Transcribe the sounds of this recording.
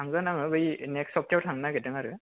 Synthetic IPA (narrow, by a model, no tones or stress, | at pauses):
aŋɡanaŋɯbɯjneksɔp̚kawtʰaŋnaɡɛtɯŋaɾɯ